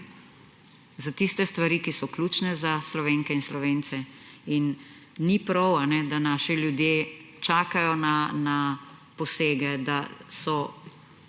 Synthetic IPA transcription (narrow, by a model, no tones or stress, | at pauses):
zat̪ist̪ɛst̪ʋaɾikisɔkluːt͡ʃnɛzaslɔʋeːŋkɛinslɔʋeːnt̪sɛinː | ipɾɔwanɛd̪anaːʃɛljud̪jeː | t͡ʃaːkajɔnana | pɔseːɡɛd̪asɔ